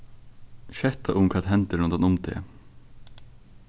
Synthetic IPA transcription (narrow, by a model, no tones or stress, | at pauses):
ʃɛt̪ʰɑʔʊmkʰɑt̪ɦɛnt̪əlɔnd̪ɑnʊmt̪ʰḛː